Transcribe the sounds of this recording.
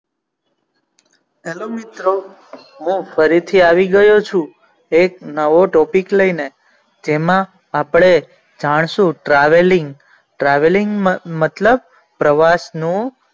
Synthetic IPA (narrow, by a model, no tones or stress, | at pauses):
elomit̪ɾo | ɦũfəɾit̪ʰiaʋiɡəjot͡ʃʰũ | eknəʋoʈɔpikləine | d͡ʒemã | apɽ̃e | d͡ʒaɽ̃ʃũʈɾaʋeliŋɡ | ʈɾaʋeliŋɡmət̪ləb̚ | pɾəʋasnũ